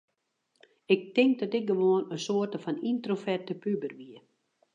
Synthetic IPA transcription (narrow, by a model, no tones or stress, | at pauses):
ɪk̚tɪŋk̚dɔtɪk̚ɡəʋoənəsoərtəfɔnintrofɛrtəpybərʋiə